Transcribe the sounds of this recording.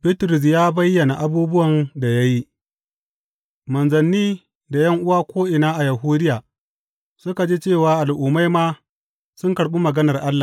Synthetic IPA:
bɪ˦tɾʊ˨s̬jaː˦bɐ˦jːɐ˨na˨ʔa˨buː˦bʊ˦wɐ˨nda˨ja˦ji˦ | mɐ˨nzɐ˨nːiː˦ | da˨jɐ˦ŋʔʊ˦waː˦kʷʰoː˦ʔɪ˨naː˦ʔa˨ja˨ɦuː˦dɪ˦jaː˨ | sʊ˦ka˨d͡ʒeː˦t͡ʃeː˦˨waː˨ʔa˨lʔʊː˨ma˦jmaː˦ | sʊ˦ŋkɐ˨ɽɓu˦mɐ˨ɡɐ˦nɐ˨rʔa˦lːa˨

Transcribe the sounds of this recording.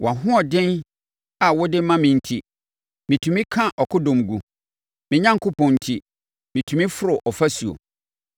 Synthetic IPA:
wʔa˨ɦʊ̃˦ɔ˨dɪ̃˦n | a˨wʊ˦dɪ˦mã˦mɪ̃˨n̩˨tʰi˦ | mĩ˨tʰũ˨mĩ˦kʰã˦ʔɔ˨kʰʊ˦dʊ̃˨mɡu˨ | mɪ̃˨ɲã˦ŋ̩˨kʰʊ˦pʰɔ̃˨n̩˨tʰi˦˨ | mĩ˨tʰũ˨mĩ˦fʊ˦ɾʊ˨ʔɔ˨fa˦su˨o̰˨

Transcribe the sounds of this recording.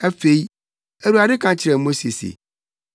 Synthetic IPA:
ɛ˦fe˦i˦ | æ˨ɾu˨a˨dɪ˦kʰã˨t͡ɕʰɪ˨ɾɛ˨mo˦se˨sḛ˨

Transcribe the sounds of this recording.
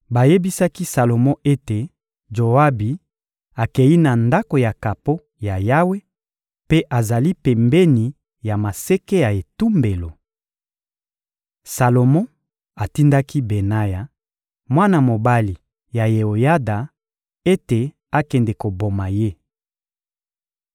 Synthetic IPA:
ba˨je˦bi˦sa˦ki˦sa˨lo˨mɔ̃˦e˦te˨ | d͡ʒo˨a˦bi˨ | a˨kɛ˨ji˦na˨nda˦ko˨ja˨ka˨po˦ | ja˨ja˦we˦ | pe˦ʔa˨za˨li˦pɛ˨mbɛ˦ni˨ | ja˨ma˨se˦ke˦ja˨e˨tu˦mbe˨lo˨ | sa˨lo˨mɔ̃˦ | a˨ti˦nda˦ki˦be˨na˦ja˨ | mwa˦na˨mo˨ba˦li˨ | ja˨je˨o˨ja˦da˨ | e˦te˨ | a˨kɛ˨ndɛ˨ko˨bo˨ma˨je˦

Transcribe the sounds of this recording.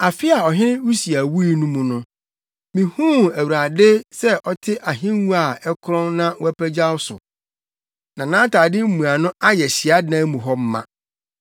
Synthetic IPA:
a˨fɪ˦a˨ɔ˨ɦɪ̃˦nɪ̃˦wu˦si˨a˨wu˦i˦nũ˦mũ˨nʊ̃˦ | mĩ˨hũː˦æ˨wu˨ɾa˨dɪ˦sɛ˦ʔɔ˦tʰɪ˦ʔa˨ɦɪ̃˦n˦wũ˦a˨ɛ˦kʰɾɔ̃˦nnã˦wæ˦pʰæ˦d͡ʑa˦wsʊ̰˨ | nã˨nã˦tʰaː˨dɪ˦m̩˦mũ˨a˨nʊ̃˦a˦jɛ˨ɕɪ˨a˦dnã˦mũ˨ɦɔ˦m̩˦mã̰˨

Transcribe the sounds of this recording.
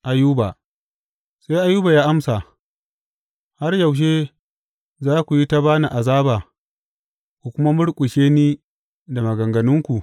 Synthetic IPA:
ʔa˨juː˦ba˨ | sa˦jʔa˦jːuː˦ba˨jaː˦ʔa˦msa˨ | ha˦rja˨wʃ̬eː˦ | zaː˦kʷu˨ji˦ta˦baː˦na˨ʔa˨zaː˦baː˨ | kʷu˨kʷʊ˦ma˦mʊ˦ɽkʷʼʊ˨ʃeː˦niː˦ | da˨mɐ˨ɡɐ˨ŋɡɐ˨nʊ˦ŋkʷu˨ʔ

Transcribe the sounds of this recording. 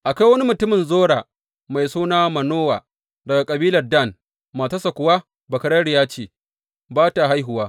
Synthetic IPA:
ʔa˨ka˦jwɐ˦ni˦mʊ˨tʊ˦mɪ˨nzoː˦ɽaː˨ | ma˨jsuː˦naː˦mɐ˨noː˦wa̰ː˨ | dɐ˨ɡa˨kʼɐ˨biː˦lɐ˨rda˦˨n | ma˨tɐ˦sɐ˨kʷʊ˨waː˦ | bɐ˨kɐ˨˦ɽɐ˦ɽjaː˦t͡ʃeː˨ | baː˦ta˨ɦa˦jɦʊ˨waː˦

